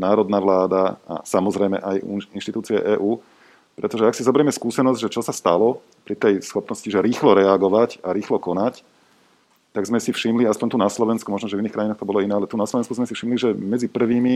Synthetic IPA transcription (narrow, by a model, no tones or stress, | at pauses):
naːɾɔd̪naʋlaːd̪aa̰samɔzɾɛjmɛ̰ʔajinʃt̪it̪uːt͡siɛ̰ʔɛːʔuː | pɾɛt̪ɔʒɛaksizɔbɛɾjɛmɛskuːsɛnɔzɟʒɛt͡ʃɔsast̪alɔ | pɾit̪ɛjsxɔpnɔsciʒɛɾiːxlɔɾɛaɡɔʋacaɾiːxlɔkɔnac | t̪aɡzmɛsifʃimliaspɔɲt̪unaslɔʋɛnskumɔʒnɔʒɛviniːxkɾajinaːxt̪ɔbɔlɔinɛːalɛt̪unaslɔʋɛnskuzmɛsifʃimliʒɛmɛd͡zipr̩ʋiːmi